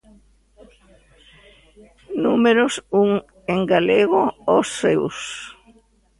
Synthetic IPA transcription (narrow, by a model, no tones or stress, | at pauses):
numeɾʊsuŋ | eŋɡaleɣoosews